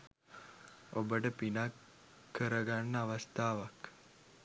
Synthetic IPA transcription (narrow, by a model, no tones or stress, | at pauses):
obəʈəpinakʰː | əɾəɡanːəaʋəst̪ʰaːʋak